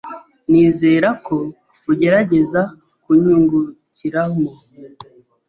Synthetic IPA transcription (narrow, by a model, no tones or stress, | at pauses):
niːzeːɾako̞ | uɟe̞ɾaɟe̞za | kuɲuŋɡuciɾamo